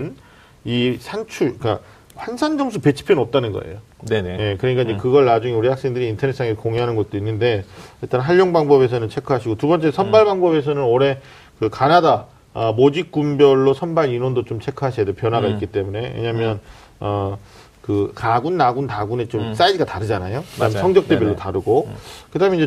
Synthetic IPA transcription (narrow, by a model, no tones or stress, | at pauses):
n | isʰant͡ɕʰuɭk͈a̰ | ɸwansʰand͡ʑʌmsʰupe̞t͡ɕʰi̥pʰinʌp̚t͈anɯnɡʌ̰ḛjo | neje̞kɯɾʌɲik͈aiɲd͡ʑekɯɡʌɭːad͡ʑuŋeuɾihak̚s͈eŋdɯɾiːntʰʌnes͈aŋesʰokoŋeɦanɯnɡʌt̚t͈oinːɯnde̞jʌɭt͈anɦaɭːoŋbaŋbʌβe̞sʰʌnɯnt͡ɕʰe̞kʰɯɦaɕʰiɡotubʌnt͡ɕ͈esʰʌnbaɭbaŋbʌbe̞sʰʌnɯnoɾe̞ | kɯkanada | ʌmod͡ʑik̚k͈umbjʌɭːosʰʌnbaɾinondot͡ɕomt͡ɕʰe̞kʰɯɦaɕʰijadeopjʌnɦwaɡait̚k͈it͈e̞mune̞wḛɲaɦmjʌn | ʌ | kɯkaɡunːaɡuntaɡunet͡ɕoms͈aidiɡataɾɯd͡ʑanajokɯdaɦmjsʰʌŋd͡ʑjʌk̚t͈ebeɭːotaɾɯɡokɯdaɦɯmiɲd͡ʑe